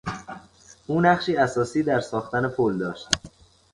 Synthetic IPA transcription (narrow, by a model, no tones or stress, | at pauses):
ʔuːnæχʃiːæsɒːsiːd̪æɾsɒːxt̪æne̞pʰold̪ɒːʃt̪